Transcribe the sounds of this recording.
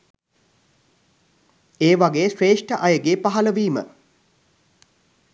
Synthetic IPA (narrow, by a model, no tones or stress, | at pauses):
eːʋaɡeːsreːʂʈəʔajəɡeːpaɦɐləʋiːmə̰